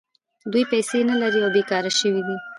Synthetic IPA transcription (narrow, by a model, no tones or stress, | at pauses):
d̪ujpɛjsenalaɾiawbekɑɾaʃəwid̪i